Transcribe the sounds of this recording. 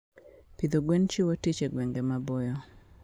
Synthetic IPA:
pid̪oɡwɛnt͡ʃiwotit͡ʃeɡwɛŋɡemabojɔ

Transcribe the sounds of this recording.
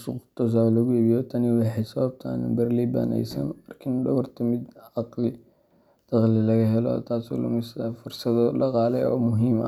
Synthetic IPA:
sʊqʊt̪ʰɔs̬alɐɣʊibijɔt̪ʰɐnɪwɑħɛjsɐβɐb̚t̪ʰa̰ːnbɐrliba̰nɛ̰jsɐ̰nɐrkʰɪndɐβɐrt̪ʰɐmɪd̪ɑqlɪ | d̪̥ɑqlɪlɐɣɐɦɛlɔ̰t̪ʰaːsɔ̰lɐ̰mɪsɐfʊrsɐðɔlɐqɑːlɛjɔ̰ːmʊɦiːmɐ̰

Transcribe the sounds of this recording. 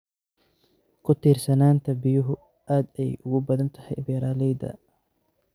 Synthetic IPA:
kʰʊt̪ʰiːrsɐnaːnt̪ʰɐbɪjʊɦʊ | ʔaːd̪ɛjʔʊɣʊbɐðɐnt̪ʰɐ̥hɛjbɛɾaːlɛjd̪ɐ̰

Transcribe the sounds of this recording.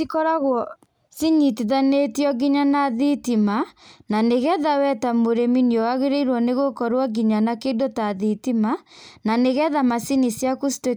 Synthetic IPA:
ikɔɾaɣwɔ | siɲitiðanetjɔɡiɲanaðitimananeɣɛðawɛtamoɾeminjɔwaɣeɾeiɾwɔneɣokɔɾwaɡiɲanakendotaðitimananeɣɛðamasinisjakusi̥te

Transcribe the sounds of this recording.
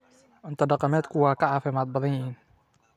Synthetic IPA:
ʔɪnt̪aɖɑqɑmɛːt̪kʊwɑːqɑʕɑfɛmɑːt̪̚bɑðɑnjiːn

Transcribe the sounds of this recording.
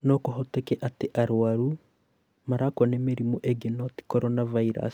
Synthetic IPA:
nɔkoɦotɛkɛʔateʔaɾwaɾu | maɾakwanemeɾimoʔeɡenoti̥kɔɾonavaiɾa̰s

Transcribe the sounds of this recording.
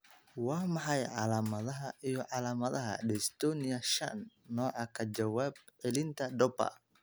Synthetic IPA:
wɑːmɑħɑjʕɑlaːmɐðɐɦɐijɞʕɑlaːmɐðɐɦɐ̰ɖɛst̪ʰɔːnɪjɐʃɐ̰nːɔːʕɑkʰɐt͡ʃɐwaːb̚ʕɪlɪnt̪ʰɐɖɔbɐ̰

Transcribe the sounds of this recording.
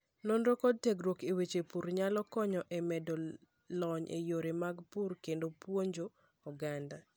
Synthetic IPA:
nonɾokɔd̚tekɾwokewet͡ʃepuɾɲalɔkɔɲɔʔemɛdo | lɔɲʔḛjoɾemaɡpurkendopwoɲd͡ʒo | ɔɡanda

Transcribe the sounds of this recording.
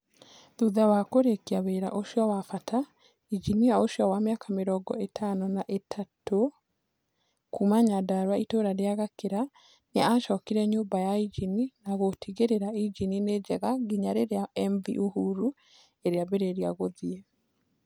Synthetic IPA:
ðuðawakoɾekiaβeɾa̰ʔoʃjawafata | id͡ʒinijaoʃjawamjakameɾɔɡɔetʰanɔnaʔetʰato | kumaɲadaɾwaitoɾaɾeaɣakeɾa | ɲaaʃɔkiɾɛɲoːmbajaid͡ʒininaɣotiɣeɾeɾaid͡ʒinined͡ʒɛɣaɡiɲaɾeɾeaɛɱvḭʔuhuɾu | eɾeaβeɾɛɾiaɣoðiɛ

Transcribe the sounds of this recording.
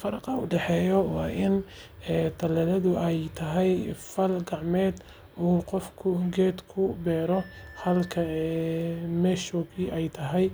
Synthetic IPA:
fɐɾɑqɑʊ̰ɖɛħɛːjɔwɑːʔɪn | ɛt̪ʰɐlɐlɐðʊʔɛjt̪ʰɐɦɛjfɐlɡɑʕmɛːd̪ | uːqɔfkʰʊɡɛːd̪kʰʊbɛːɾɔhɐlkʰɐ | mɛːʃɔːɣiːʔɛjt̪ʰɐɦɛj

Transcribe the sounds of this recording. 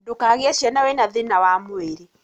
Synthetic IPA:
dukaɣjɛʃjɛnawɛnaðinawamueɾi

